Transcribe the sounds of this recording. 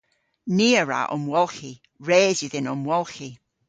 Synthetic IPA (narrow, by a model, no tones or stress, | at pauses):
niːəɹa̰ʔɔ̰mwɔlˠxi | ɹeːzjuðɪnɔmwɔlˠxi